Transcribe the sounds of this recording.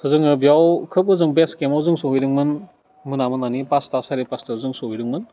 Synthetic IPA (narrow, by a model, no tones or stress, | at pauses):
sʰɯzɯŋɯbjawkʰɯp̚ɯzɯŋbeskemawzɯŋsowiɾɯŋmɯn | mɯnamɯnanipastasaɾipastazɯŋsowiɾɯŋmɯn